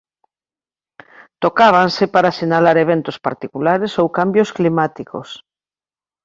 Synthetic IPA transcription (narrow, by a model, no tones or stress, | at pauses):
t̪okaβ̞ansepaɾasiɲalaɾeβ̞ent̪ospa̰ɾt̪ikulaɾesowkambjosklimat̪iko̰s